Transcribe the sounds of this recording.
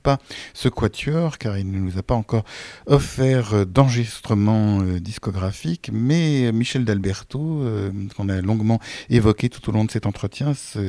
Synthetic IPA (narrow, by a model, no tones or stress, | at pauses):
pasəkwat̪ʰjœʁkaʁilnənuzapaɑ̃kɔʁɔfɛʁd̪ɑ̃ʁəʒist̪χəmɑ̃ød̪iskɔɡʁafikmɛmiʃɛld̪albɛʁt̪oøkɔ̃nalɔ̃ɡmɑ̃evɔkʲet̪u̥t̪olɔ̃d̪əsɛt̪ɑ̃t̪χət̪jɛ̃sə